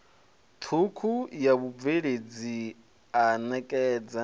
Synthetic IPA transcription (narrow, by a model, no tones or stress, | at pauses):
t̪ʰukʰujaβub̪veɺed͡zi | anɛkʼɛːd͡za